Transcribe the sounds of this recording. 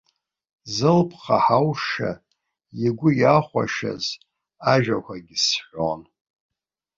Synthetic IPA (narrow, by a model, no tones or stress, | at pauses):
zɨlpʰχaħawʂa̰ | jiɡʷʊjaχʷa̰ʃa̰z | aʒᶣakʷʰaɡʲɪsħʷon